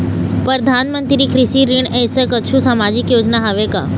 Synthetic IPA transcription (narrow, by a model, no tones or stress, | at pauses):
pəɾəd̪ʱaːnmə̃nt̪ɾikɾɪʃiɾɪɳ̃ɛ̃ːɪsəkɐʃʰusaːmaːd͡ʑɪkjoːd͡ʑnaɦɐʋeka̰ː